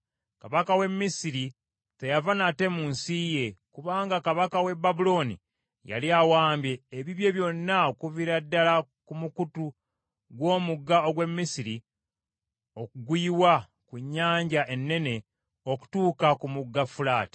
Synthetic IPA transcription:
kaβakawe̞mːisiɾi | te̞javanate̞muːnsiːje̞kuβaːŋɡakaβakawe̞babulo̞nḭ | ja̰liawaːmbje̞ːβiβje̞βjo̞nːaokuviɾadːalakumukutu | ɡwo̞ːmuɡːao̞ɡwe̞mːisiɾi | o̞kuɡwiːwa | kuɲːaːɲɟaʔe̞nːe̞ne̞ | oku̥tuːkakumuɡːafulaːti̥

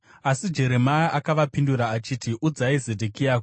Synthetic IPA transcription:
asid͡ʒe̞ɾe̞majaʔakaʋapinduɾaːt͡ʃiːtiʔud͡zaize̞dʱekiaːk

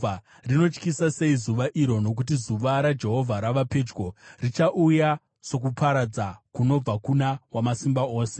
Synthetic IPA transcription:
a | rino̞t͡ʃkisase̞izuʋaʔiɾo̞no̞k̬ut̬izuʋaɾad͡ʒe̞ɦo̞vʱaɾaʋape̞d͡ʒɡo̞rit͡ʃaʔuja | so̞k̬upʰaɾad͡zakuno̞b͡vakunawamasimbao̞ːse̥

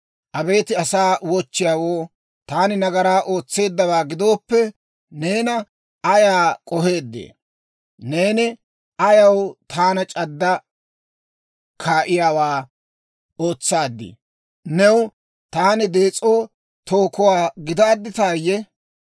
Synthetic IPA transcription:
ʔɐbe̞ːt̪ɪɐsaːwɔt͡ʃːɪjaːwo̞ː | t̪aːnɪnɐɡɐɾaːʔo̞ːt͡sːe̞ːd̪ːɐbaːɡɪd̪o̞ːpːɛ | ne̞ːnɐ | ɐjaːkʼɔhe̞ːd̪ːḛː | ne̞ːnɪ | ʔɐjɐwt̪ʰaːnɐt͡ʃʼɐd̪ːɐ | kʰaːʔɪjaːwaː | o̞ːt͡sːaːd̪ːɪ̰ | nɛw | t̪aːnɪd̪eːt͡sʼːoː | t̪oːkɔwaːɡɪd̪aːd̪ːɪt̪aːjːɛ

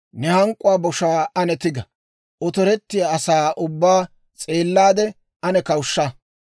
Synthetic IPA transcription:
nɛhɐŋkʼːʊwaːbɔʃaːɐnɛt̪ɪɡɐ | ʔɔt̪ɔɾɛt̪ːɪjaːsaːʔʊbːaː | t͡sʼe̞ːlːaːd̪ɛ | ʔɐnɛkɐwʃːɐ

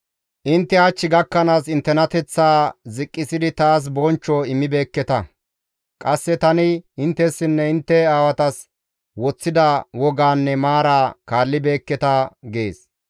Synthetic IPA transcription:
ʔɪnt̪ːɛɐt͡ʃːɪɡɐkːɐnaːsɪnt̪ːɛnɐt̪ɛt͡sːaːzɪkʼːɪsɪd̪ɪt̪aːs̬bɔnt͡ʃːɔɪmːɪbe̞ːkːɛt̪ɐ | kʼɐsːɛt̪ɐnɪɪnt̪ːɛsːɪnːɛɪnt̪ːɛaːwɐt̪ɐs | wɔt͡sːɪd̪ɐwɔɡaːnːɛmaːɾaːkaːlːɪbe̞ːkːɛt̪ɐɡe̞ːs

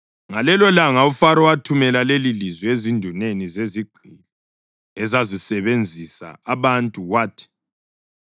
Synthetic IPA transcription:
ŋalɛlɔlaŋaufaɾɔwatʰumɛlalelilizwiezindʱunenizeziɡ͡ǃ̥ʱili | ɛzazisɛβend͡zʱisa̰aβantʼuɣwaːtʰi̥

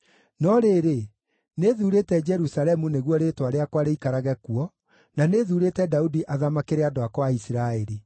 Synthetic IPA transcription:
nɔɾeːɾe | neðuːɾetɛd͡ʒɛɾusalɛmuneɣwɔɾetwaɾeakwaɾeikaɾaɣɛkuɔ | naneðuːɾetɛdaudiʔaðamakeɾeadoakwaisiɾaɛɾi

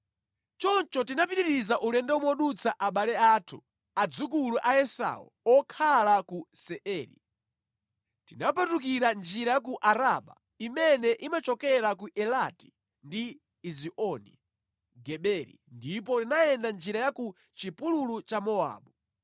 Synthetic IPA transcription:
t͡ʃɔnt͡ʃɔtinapiɾiɾizaʔulɛndɛɔmɔɗut͡sʰaʔaɓalɛaːtʰṵ | ad͡zukuluʔaɛsa̰ṵɔkʰalakusɛʔɛːɾḭ | tinapatukiɾand͡ʒiɾajak̬uʔaɾaɓa̰ | imɛnɛʔimat͡ʃɔkɛɾakuʔɛlati̥ | ndiː | ziʔɔnḭ | ɡɛɓɛɾḭndipɔtinaɛndand͡ʒiɾajaku | t͡ʃipululut͡ʃamɔa̰ːɓu

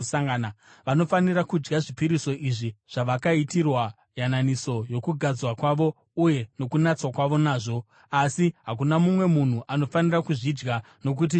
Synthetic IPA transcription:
saŋɡana | ʋano̞faniɾakud͡ʒɡaʐipiɾiso̞ʔiʐiʐ̥aʋakaitirwa | jananiso̞jo̞kuɡʱad͡zwakwaʋo̞ | uje̞no̞kunat͡swakwaʋo̞naːʐo̞ | asiɦak̬unamumwe̞mun̤uʔano̞fanirakuʐid͡ʒɡa | no̞k̬ut̬i

